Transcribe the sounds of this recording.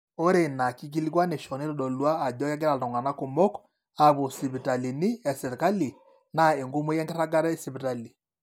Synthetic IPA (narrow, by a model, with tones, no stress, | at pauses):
o˦ɾe˨na˨ki˦k̬i˦li˦kwa˦ne˨ʃɔ˨ne˦ɾo˦ɗɔ˨lwaː˦˨dɔ˦ja˦ɡ̬e˦ɾa˨dɔ˨ŋɡa˨na˦ko˨mo˦k | a˨βo˨si˨βi˨ta˨li˨ni˦ɛ˨se˨ɾka˦li˨ | na˨e˨ŋɡo˦mo˦jɛ˦ŋɡe˦ɾa˦ɡa˦ɾɛ˦si˨βi˨ta˨li˨